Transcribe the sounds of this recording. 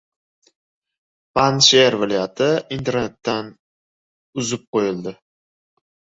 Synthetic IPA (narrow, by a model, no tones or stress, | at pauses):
panʃeɾvɪlajat̪ʰɪint̪ʰe̞ɾne̞t̪ːan | ʊzɪp̚qʰojɪld̪ɪ